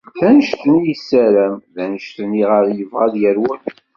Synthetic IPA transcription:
θænʃt̪ənijsːæɾæmðænəʃt̪əniʁəɾjəvʁaðjæɾwən

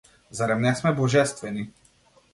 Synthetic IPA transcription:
zaɾɛmnɛsmɛbɔʒɛst̪ʋɛni

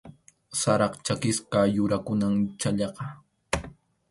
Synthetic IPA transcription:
saɾɑqt͡ʃakɪskajʊɾakʊnaŋt͡ʃaʎɑqɑ

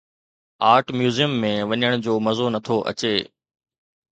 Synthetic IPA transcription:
aːɾʈmjuːzijəmːẽʋɐɲəɽ̃d͡ʑoːmɐzonɐt̪ʰoʔɐ̰t͡ɕeː

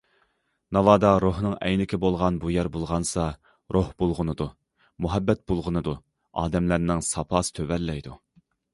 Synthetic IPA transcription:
nɑlɑːd̪ɑɾohnɨŋɛ̰jnɪkʲʰɪbolˠʁɑnbujæɾbolˠʁɑnsɑ | ɾʔohbolˠʁənɨd̪u | muɦɛbːɛt̪̚bolˠʁənɨd̪u | ɑːd̪ɛmlæɾnɪŋsɑpʰɑːsɨ̥t̪ʰøvɛlːɛjd̪u

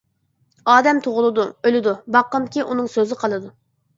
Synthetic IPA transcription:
ɑːd̪ɛmt̪ʰoʁʊlˠɨd̪uølɪd̪ubɑqːəmkʲiʔunɨŋsøzɪqʰɑlˠɨd̪u

